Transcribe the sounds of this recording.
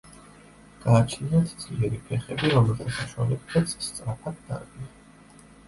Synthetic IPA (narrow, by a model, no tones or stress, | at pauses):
ɡ̥aːt͡ʃʰniat̪ʰd̪zʼliɛɾipʰɛχɛbiɾɔmɛlˠt̪ʰasaʃwa̰lɛdɡɛt̪sʰst̪sʼɾapʰad̪̚ːa̰ɾɡia